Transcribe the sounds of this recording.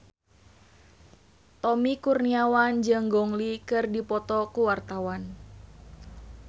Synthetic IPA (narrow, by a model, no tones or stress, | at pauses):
t̪ɔmikurniawand͡ʒəŋɡɔŋlikɨrdipɔt̪ɔkuwart̪awan